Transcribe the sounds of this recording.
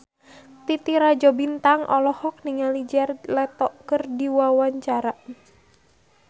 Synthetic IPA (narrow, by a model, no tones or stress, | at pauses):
t̪it̪iɾad͡ʒɔbint̪aŋʔɔlɔhɔk̚niŋalid͡ʒɛrlɛt̪ɔʔkərdiwawaɲt͡ʃaɾa